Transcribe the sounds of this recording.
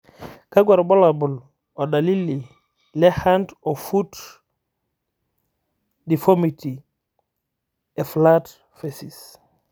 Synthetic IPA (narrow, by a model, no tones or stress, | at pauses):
kaɡwaɾbɔlabul | ɔɗalilːi | lɛhantɔfut | difomitʰi | ɛflat | fesis